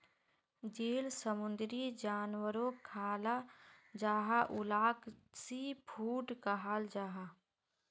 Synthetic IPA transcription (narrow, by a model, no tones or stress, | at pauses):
d͡ʒeːlsəmʊ̃nd̪ɾid͡ʒaːnwəɾõkʰaːlad͡ʒaːɦaʔʊlaːksipʰuːʈkəɦaːld͡ʒaːɦa